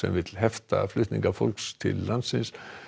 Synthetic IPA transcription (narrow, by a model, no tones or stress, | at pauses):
sɛ̰mvɪt̪lɦɛft̪aflʏht̪nĩŋkafolkst̪ʰɪlːant̪sɪns